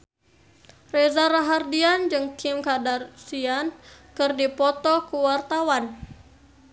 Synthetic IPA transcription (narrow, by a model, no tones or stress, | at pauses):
rɛzaɾaɦardiand͡ʒɨŋkʰɪmkadarsian | kɨrdipɔt̪ɔkuwart̪awan